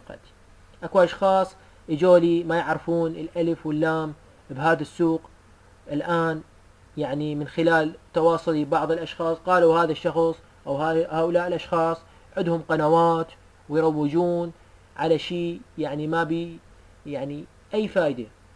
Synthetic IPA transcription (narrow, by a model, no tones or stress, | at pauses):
qɑ̰t̪ | ʔakuʔɑʃxɑːsˤ | ʔɪd͡ʒoːlimajɪʕɾɪfuːnɪlʔaləfwɪlːaːm | bɦaːðasːuːq | ʔɪlʔaːn | jaʕnimɪnxɪlaːlt̪ɑwɑːsˤɑlibɑʕðˤɨlʔɑʃxɑːsˤqɑːluhaːðaʃːɑxsˤ | ʔawhahaːʔʊlaːʔɪlʔɑʃxɑːsˤ | ʕɪd̪hʊmqɑnawaːt̪ | wɪjɾˤɑwːɪd͡ʒuːn | ʕalaʃiːjaʕnimabi | jaʕni | ʔajːfaːʔd̪a